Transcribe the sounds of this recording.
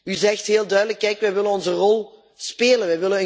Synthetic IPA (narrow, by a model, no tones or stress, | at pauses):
yzɛxtɦeːlˠdœɥdələkːɛjkʋɛjʋɪlənɔnzərɔlˠ | speːlənʋɛjʋɪlənə